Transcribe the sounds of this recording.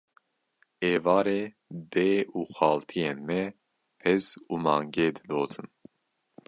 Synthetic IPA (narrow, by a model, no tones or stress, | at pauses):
eːvɑːɾeː | d̪eːuːxɑːlt̪ʰijeːnmɛ | pʰɛzuːmɑ̰ːŋɡeːd̪ɨd̪oːt̪ʰɨn